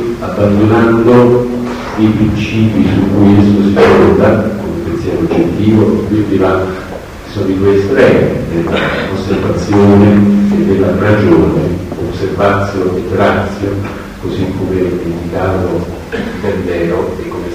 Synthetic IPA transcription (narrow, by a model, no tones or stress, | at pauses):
abːand̪onand̪o | epɾint͡ʃiːpisukːujest̪osifɔnd̪akomepːensjɛːɾood͡ʒːet̪ːiːvoʔepːud̪ila | sovit̪uest̪ɾɛːmed̪elːa̰osːervat̪sːjoːneːd̪ːelːarad͡ʒoːneoservat̪sːjoet̪ːɾat̪sːjo | kozikʰːomemend̪ikaːt̪o | p̪end̪ɛːɾoekːome